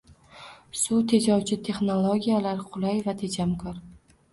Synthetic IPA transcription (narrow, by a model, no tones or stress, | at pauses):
sut̪ʰe̞d͡ʒɒwt͡ʃʰɪt̪ʰe̞χnolˠoɡʲijalaɾqʰʊlajvat̪ʰe̞d͡ʒamkʰɒɾ